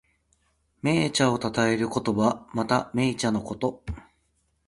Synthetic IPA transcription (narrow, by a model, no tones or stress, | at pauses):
me̞ːt͡ɕao̞t̪at̪ae̞ɾɯ̟ko̞t̪o̞bamat̪ame̞ːt͡ɕano̞ko̞t̪o̞